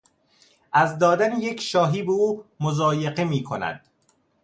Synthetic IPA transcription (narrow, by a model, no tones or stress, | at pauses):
ʔæzd̪ɒːd̪ænejecʰʃɒːɦiːbeuːmozɒːjeɢemiːkʰo̰næ̰d̪̥